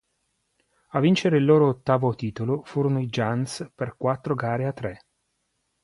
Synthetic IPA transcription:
avːint͡ʃeɾeilːoːɾoːt̪ːaːvot̪iːt̪olofuːɾonoid͡ʒansperkwat̪ːɾoɡaːɾeat̪ːɾe

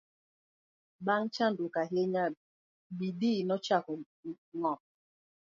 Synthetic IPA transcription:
baŋt͡ʃandukaɦeɲa | bidinɔt͡ʃakɔ | ŋɔp̚

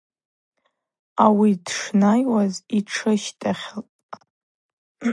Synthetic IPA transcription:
awidʂnajwaziʈ͡ʂʰɨʃtʰʼaχʲlʼ

